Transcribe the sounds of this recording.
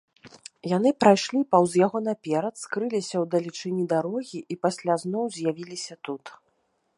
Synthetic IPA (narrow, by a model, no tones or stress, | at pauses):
janɨpɾajʂlʲipawzjaɣɔnapʲɛɾɐt̪skɾɨlʲisʲɐwd̪ɐlʲit͡ʂɨnʲid̪aɾɔɣʲiʔipasʲlʲaznɔwzʲjavʲilʲisʲɐt̪ut̪